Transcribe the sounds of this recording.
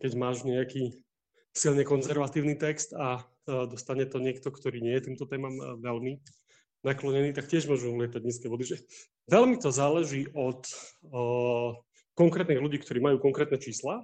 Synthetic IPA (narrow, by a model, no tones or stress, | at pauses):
kɛɟmaːʒɲɛakiː | silɲɛkɔnzɛɾʋat̪iːʊniːt̪ɛkst̪a | d̪ɔst̪aɲɛt̪ɔɲɪɛk̚t̪ɔkt̪ɔɾiːɲɪɛjɛt̪iːmt̪ɔt̪ɛːmamʋɛlmi | naklɔɲɛniːt̪akcɪɛʒmʊɔʒuulɪɛt̪aɟɲiːskɛʋɔd̪iʒɛ | ʋɛlmit̪ɔzaːlɛʒiːʔɔt̪ | kɔŋkɾɛːt̪niːɣluɟiːkt̪ɔɾiːmajuːkɔŋkɾɛːt̪nɛt͡ʃiːsla